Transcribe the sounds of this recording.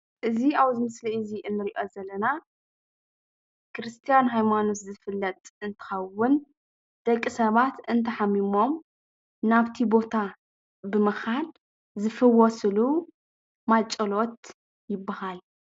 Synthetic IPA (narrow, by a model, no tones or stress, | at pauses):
ʔɨziawzɨmɨsliɨziʔɨnːɨɾiʔo̞zɐlːɐna | kɾɨst̪ʰijanɦajmanos̬zɨfɨlːɐt̪ʼɨnt̪ʰɨ̥xɐwːʊn | d̪̥ɐkʼːisɐβat̪ɨnt̪ʰɐħamimo̞m | naβt̪ʰibo̞t̪ʰa | bɨmɐxal | zɨfɨwɔsɨlu | mat͡ʃʼɐlo̞t̪ | jɪbːahal